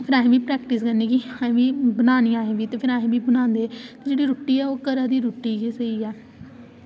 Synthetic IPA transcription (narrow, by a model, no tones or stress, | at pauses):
pʰɪɾaːɦẽːʋiːpɾɛːkʈɪskəɾneːkiːaːẽːʋiːbənaːnĩaːẽːʋiːt̪eːpʰɪɾaːɦẽːʋiːbənãːnd̪et̪eːd͡ʒeːɽiːɾʊːʈːiːɛːoːkəɾaːd̪iːɾʊːʈːiːɡeːsəiːɛː